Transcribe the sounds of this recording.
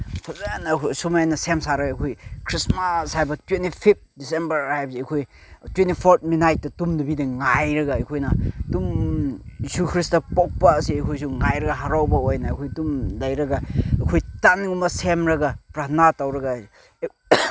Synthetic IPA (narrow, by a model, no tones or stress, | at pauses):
pʰazanakʰsumanɐsemsaɾɐɡakʰojkʰɾismashajbɐtwentipʰip̚t̚disembɐɾhajbɐziɐjkʰoj | twentipʰoɾt̚ʰminajt̚dɐtumdɐbidɐŋajɾɐɡaɐjkʰojnatumjisukʰɾistɐpɔk̚paːsiɐjkʰojs̬uŋajɾɐɡaɦaɾawbɐojnaːkʰojtumlɐjɾɐɡakʰojtanŋumɐsemɾɐɡapɾanatawɾɐɡa